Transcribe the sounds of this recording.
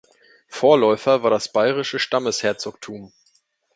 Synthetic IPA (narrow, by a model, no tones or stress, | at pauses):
foːɐlɔʏfɐvaːɐdasb̥aɪʁɪʃəʃtaməshɛɐt͡sok̚tʰuːm